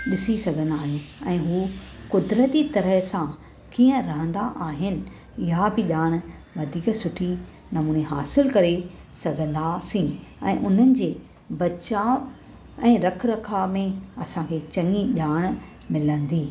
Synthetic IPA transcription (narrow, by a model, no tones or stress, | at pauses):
ɗɪsisɐɡʱə̃nd̪aːɦiũɛ̃ːɦuːkʊd̪ɾət̪it̪ɐɾəɦsã | kiːə̃ɾɐɦə̃nd̪aʔaːɦɪnɪ̆ | ɪɦabɪʄaːɽ̃ | ʋɐd̪ʱiːksʊʈʰi | nɐmuːneɦa̰ːsɪlkɐɾe | sɐɡʱə̃nd̪asĩɛ̰̃ːʔʊn̤ənɪ̆d͡ʑeː | bɐt͡ɕaː | ɛ̃ːɾɐkʰɾɐkʰamẽɐsãkʰet͡ɕɐ̃ŋiʄaːɽ̃ | mɪlə̃nd̪iː